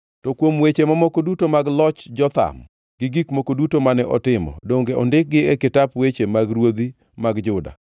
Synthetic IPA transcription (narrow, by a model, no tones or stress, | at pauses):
tɔkwomwet͡ʃemamɔkodutomaɡlɔt͡ʃd͡ʒɔt̪a̰m | ɡ̥ɪɡikmokodutomanɛʔɔtɪmɔ̰doŋɡeɔ̰ndɪk̚ɡɪɛkɪtapwet͡ʃemaɡɾwod̪i | maɡd͡ʒʊda̰